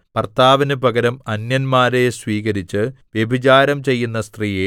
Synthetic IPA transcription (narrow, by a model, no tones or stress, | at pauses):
pɐrt̪ʰaːʋinɨbɐɡɐɾɐmɐnjɐnmaːɾesʋiːɣɐɾit͡ɕːɨʋjebʱit͡ɕaːɾɐmt͡ɕe̞jːunːɐst̪riːje